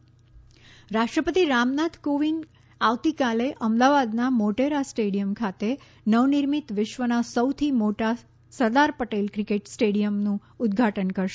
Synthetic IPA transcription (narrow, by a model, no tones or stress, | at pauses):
ɾaʃʈɾəpət̪iɾamnad̪koʋiŋɡ | aʋt̪ikaleʔəmd̪aʋad̪namoʈeɾasʈeɽijəmkʰat̪e | nəʋnɪɾmit̪ʋɪʃʋənasəwt̪ʰimoʈa | səd̪aɾpəʈelkɾɪkeʈsʈeɽijəmnũ | ʊd̪̚ɡʱaʈənkəɾʃe